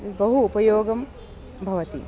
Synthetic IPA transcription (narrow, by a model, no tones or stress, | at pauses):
bɐɦuːpɐjoːɡɐm | bʱɐʋɐt̪ḭ